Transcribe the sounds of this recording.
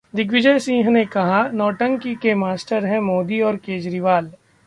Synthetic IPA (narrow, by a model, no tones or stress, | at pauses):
d̪ɪk̬ʋɪd͡ʒəjsĩːɦnekɐɦanɔːʈə̃ŋkikemaːsʈəɾɦɛ̃moːd̪iɔːɾkeːd͡ʒɾiʋaːl